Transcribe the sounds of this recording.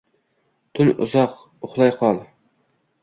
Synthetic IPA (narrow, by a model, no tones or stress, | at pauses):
t̪ʰʊnʊ̰zɑq | ʊχlˠɑjqʰɑlˠ